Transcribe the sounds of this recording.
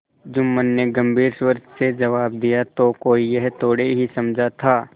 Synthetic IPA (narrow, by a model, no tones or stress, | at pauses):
d͡ʒʊmmənːeɡɐ̃mbʱiːɾswəɾd̪sed͡ʒɐʋaːb̚d̪ijat̪okoːijɛɦt̪oːɽeɦisɐmd͡ʒʱat̪ʰaː